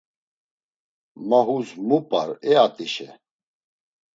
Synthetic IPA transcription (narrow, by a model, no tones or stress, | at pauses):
maɦuzmupʼaɾɛat̪ʼiʃɛ̰